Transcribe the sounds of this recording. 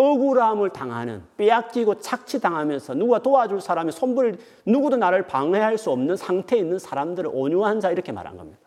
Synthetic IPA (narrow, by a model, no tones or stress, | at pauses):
ʌɡuɾamɯɭtaŋɦa̰nɯ̰np͈eak̚k͈iɡot͡ɕʰak̚t͡ɕʰidaŋɦamjʌnsʰʌnuɡuɡatoad͡ʑuɭs͈ʰaɾamisʰombuɾ | nuɡudonaɾɯɭpaŋɦe̞ɦaɭs͈uʌmnɯnsʰaŋtʰe̞inːɯnsʰaɾamdɯɾɯɭʔoɲuɦand͡ʑaiɾʌkʰe̞ma̰ɾɦa̰nɡʌ̰mɲid̥a